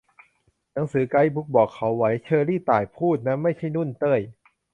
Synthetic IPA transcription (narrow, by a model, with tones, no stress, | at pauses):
na˩˦ŋsɯː˨˩˦ka˧jbu˦˥k̚bɔː˨˩kʰːa˩˦wːa˩˦jt͡ɕʰɤː˧ɾiː˥˩t̪aː˨˩jpʰuː˥˩t̪̚na˦˥ma˥˩jt͡ɕʰa˥˩jnu˥˩˨nt̪ɤː˥˩j